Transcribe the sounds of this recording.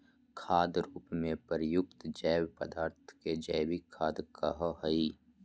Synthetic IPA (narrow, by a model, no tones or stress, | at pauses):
kʰaːd̪ɾuːpmẽpəɾjʊk̚t̪d͡ʒɛːwpəd̪aːɾt̪ʰked͡ʒɛːwikʰːaːd̪kəɦəhəi